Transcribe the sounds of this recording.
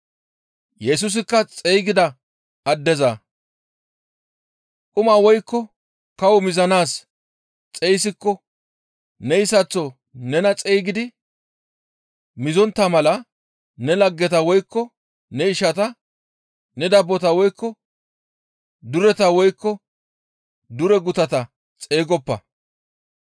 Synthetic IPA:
jɛs̬ʊs̬ɪkːɐt͡sʼejɡɪd̪ɐ | ɐd̪ːɛzɐ | kʼʊmaːwɔjkːɔ | kɐwɔmɪzɐnaːs | t͡sʼɛjs̬ɪkːɔ | nɛjɪsɐt͡sːɔ | nɛnɐt͡sʼɛjɡɪd̪ɪ | mɪzɔnt̪ːɐmɐlɐ | nɛlɐɡːɛt̪ɐwɔjkːɔ | nɛɪʃɐt̪ɐ | nɛd̪ɐbːɔt̪ɐwɔjkʰːɔ | d̪ʊɾɛt̪ɐwɔjkːɔ | d̪ʊɾɛɡʊt̪ɐt̪ɐ | t͡sʼe̞ːɡɔpːɐ̰

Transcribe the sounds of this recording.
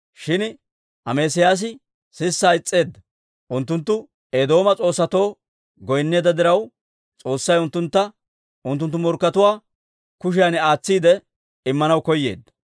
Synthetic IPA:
ʃɪn | ɐmeːsɪjaːs̬ɪ | sɪsːaːɪt͡sʼːe̞ːd̪ːɐ | ʔʊnt̪ːʊnt̪ːʊ | eːd̪o̞ːmɐt͡sʼo̞ːsːɐt̪o̞ː | ɡɔjnːe̞ːd̪ɐd̪ɪɾɐw | t͡sʼo̞ːsːɐjʊnt̪ːʊnt̪ːɐ | ʊnt̪̬ːʊnt̪ːʊmɔɾkːɐt̪ʊwaː | kʊʃ̬ɪjanaːt͡sːiːd̪ɛ | ɪmːɐnɐwkɔjːe̞̰ːd̪ːɐ̥

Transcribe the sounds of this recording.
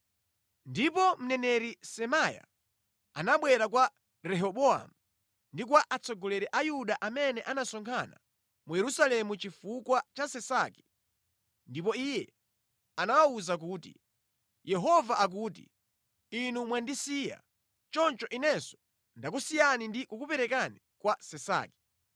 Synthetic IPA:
ndipɔm̩nɛnɛɾisɛmaja̰ | a̰naɓwɛɾakwa | ɾɛɦɔɓɔa̰mu | ndik̬waʔat͡sɔɡɔlɛɾɛʔajuɗaʔamɛnɛʔanasɔŋkʰana̰ | mujɛɾusalɛmut͡ʃifukwat͡ʃasɛsaki̥ | ndip̬ɔijɛ | anawauzak̬uːtḭ | jɛɦɔvaʔak̬uːtḭ | inumwandisija̰ | t͡ʃɔnt͡ʃɔʔinɛsɔ̥ | ndak̬usijanindikukupɛɾɛkani | kwasɛsa̰ːki̥

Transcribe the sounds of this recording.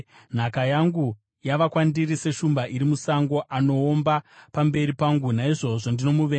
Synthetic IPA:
n̤akajaŋɡu | jaʋakwandirise̞ʃumbaʔiɾimusaŋɡo̞ʔano̞ːmbapambe̞ɾipaŋɡunaiʐo̞ʐo̞ndino̞muʋeː

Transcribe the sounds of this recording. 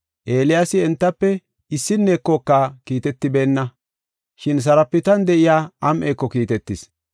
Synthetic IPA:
ʔe̞ːlɪjasɪɛnt̪ːɐpːɛ | ɪsːɪnːeːkːokːakiːt̪ɛt̪ːɪbe̞ːnːɐ | ʃɪns̬ɐɾɐpːɪt̪ɐnd̪ɛʔɪjaːɐmʔeːkːɔkiːt̪ɛt̪ːɪs

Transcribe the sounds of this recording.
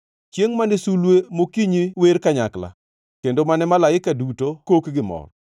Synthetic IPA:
t͡ʃjeŋmanɪsulwemokiɲiweɾkaɲa̰kla̰ | kendomanɛmalaɪkadutokokɡɪmɔ̰r

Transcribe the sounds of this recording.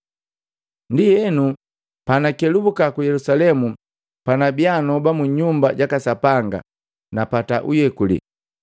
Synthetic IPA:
ndijɛnu | panakɛlubukakujɛlusalɛmu | panabjanɔbamuɲumbaɟakasapaŋɡa̰ | napataʔujɛkulḭ

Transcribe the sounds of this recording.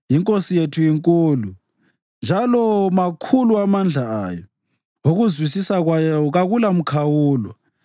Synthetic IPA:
jiŋkʼosijetʰujiŋkʼuːlu | nd͡ʒʱalɔmakʰuluamand͡ɮʱa̰jɔ | oɣuzwisisaɣwajɔɣaɣulam̩kʰawuːlwɔ̰

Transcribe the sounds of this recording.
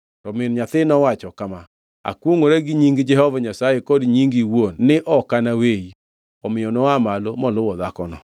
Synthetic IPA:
tɔmɪnɲatɪnɔwat͡ʃɔkama | a̰kwoŋoɾɛɡiɲiŋɡɪd͡ʒɛhɔvaɲasajekɔdiɲiŋɡiwonnɪʔɔkanawei | ɔmɪɔnɔwamalomɔlowɔðakɔnɔ̰

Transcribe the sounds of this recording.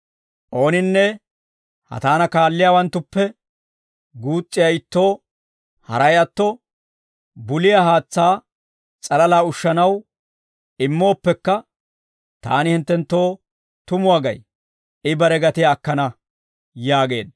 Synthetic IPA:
ʔo̞ːnɪnːɛ | hɐ̰t̪aːnɐkaːlːɪjawɐnt̪ːʊpːɛ | ɡuːt͡sʼːɪjaɪt̪ːo̞ː | hɐ̰ɾɐjɐt̪ːɔ | bʊlɪjaɦaːt͡sːaː | t͡sʼɐlɐlaːʊʃːɐnɐw | ɪmːo̞ːpːɛkːɐ | t̪a̰ːnɪhɪnt̪ːɛnt̪ːo̞ː | t̪ʊmʊaɡɐj | ɪbɐɾɛɡɐt̪ɪjaːkːɐnɐ | jaːɡe̞̰ːd̪

